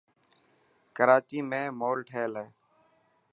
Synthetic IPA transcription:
kəɾaːt͡ʃiːmẽːmoːlʈʰeːleː

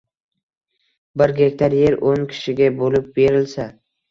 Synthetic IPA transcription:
bɪɾɡʲekʲt̪ʰaɾjeɾoŋkʲʰɪ̥ʃɪɡʲabolɪp̚beɾɪlsa

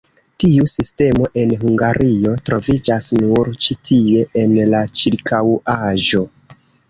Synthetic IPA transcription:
tiusiste̞mo̞ʔe̞nɦuŋɡaɾʔio̞tɾo̞vid͡ʒasnuɾt͡ʃitʰie̞ʔenlat͡ʃiɾkʰawaʒo̞

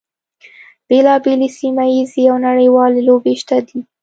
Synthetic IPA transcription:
b̥elɑbelesimajizeawnaɽəjwɑlelobeʃt̪ad̪i

